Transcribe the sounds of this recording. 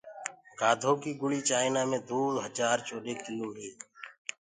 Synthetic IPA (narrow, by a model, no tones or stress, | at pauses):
kaːd̪ʱoːkiːɡʊɭiːt͡ʃaːɪnaːmẽːd̪uːd̪ɦəd͡ʒaːɾt͡ʃoːɗeːkɪloːɦeː